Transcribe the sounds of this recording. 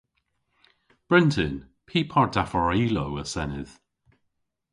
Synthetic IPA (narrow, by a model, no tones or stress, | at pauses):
b̥ɹɪntʰɪn | pʰiːpʰɔɹdafɔɹiːlowəsɛnɪð̥